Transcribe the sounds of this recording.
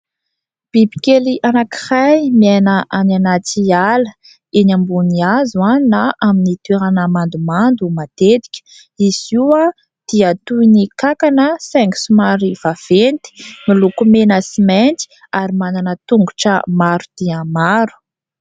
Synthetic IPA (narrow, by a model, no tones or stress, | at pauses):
b̥ibi̥keliʔanaki̥hajmiajnəʔananat͡sialə | enambuniazuanaʔaminit̪weɾanəmand̪umand̪umat̪et̪i̥kʲə̥ | iziwa | d̪̥iat̪uinikakanəsɛŋksumaɾiv̥av̥ent̪i̥milukumenəsimɛnt̪i̥ | aɾimananət̪uŋɡuʈ͡ʂə̰maɾud̪̥iamaɾu̥